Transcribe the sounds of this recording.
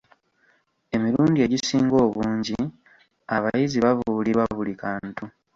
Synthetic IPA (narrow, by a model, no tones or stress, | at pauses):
e̞miɾuːndie̞ɟisiːŋɡo̞ːβuːɲɟi | aβajiziβavuliɾwaβulikaːntu